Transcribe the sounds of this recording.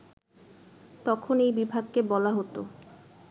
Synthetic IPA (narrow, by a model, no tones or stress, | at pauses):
t̪ɔkʰonejbibʱaɡkebɔlaɦot̪o